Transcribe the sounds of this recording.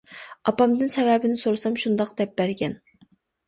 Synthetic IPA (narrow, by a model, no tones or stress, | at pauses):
ɑpɑmd̪ɨnsɛvɛbɪnɪsoɾsɑmʃund̪ɑq̚d̪ɛp̚bæɾɡʲɛn